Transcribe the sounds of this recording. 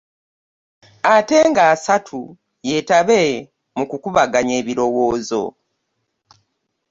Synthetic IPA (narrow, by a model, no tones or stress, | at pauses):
ate̞ŋɡaːsatʰu | je̞taβe̞ | mukukuβaɡaɲe̞ːβiɾo̞wo̞ːzo̞̰